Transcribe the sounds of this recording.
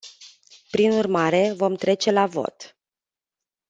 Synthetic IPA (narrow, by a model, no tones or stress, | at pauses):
pɾinurmaɾe̞vo̞mt̪ɾe̞t͡ʃe̞lavo̞̰t̪